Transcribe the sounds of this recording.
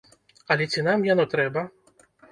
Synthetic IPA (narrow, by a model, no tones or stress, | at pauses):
ɐlʲɛt͡sʲinamjanɔt̪ɾɛbɐ